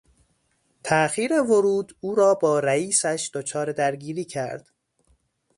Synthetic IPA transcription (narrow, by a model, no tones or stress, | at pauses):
t̪ʰæʔxiːɾe̞voɾuːd̪uːɾɒːbɒːɾæiːsæʃd̪̥ot͡ʃʰɒːɾe̞d̪æɾɡiːɾiːcʰæɾd̪̥